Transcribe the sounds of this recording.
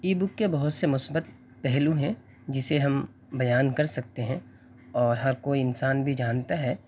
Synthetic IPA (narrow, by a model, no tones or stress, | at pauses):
iːbʊkːebɐɦʊt̪semʊsbət̪̚ | pɛɦlũɦɛ̃ | d͡ʒɪseɦɐm | bɐjaːnkɐɾsɐk̚t̪eɦɛ̃ | ɔːɾɦɐɾkoːiɪnsaːnbʱid͡ʒaːnt̪aɦɛː